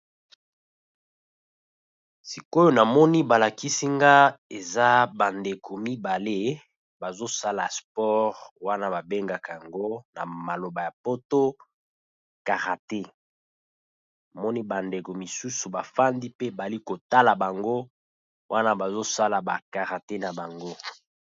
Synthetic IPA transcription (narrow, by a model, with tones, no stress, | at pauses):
si˨ko˦jo˦na˨mɔ˦ni˦ba˨la˨ki˦si˦ŋɡa˦e˨za˦ba˨nde˨kʰo˨mi˦ba˨le˦ | ba˨zo˦sa˦la̰˨spɔ˦ʁwa˦na˦ba˨be˦ŋɡa˨ka˨ja˨ŋɡo˦na˨ma˨lo˨ba˨ja˨po˦to˦ | ka˨ʁa˨te˦ | a˨mɔ˦ni˦ba˨nde˨ko˨mi˨su˦su˨ba˨fa˦ndi˦pe˦ba˨li˦ko˨ta˦la˨ba˨ŋɡo˦ | wʔa˦na˦ba˨zo˦sa˦la˨ba̰˨ka˨ʁa˨te˦na˨ba˨ŋɡo˦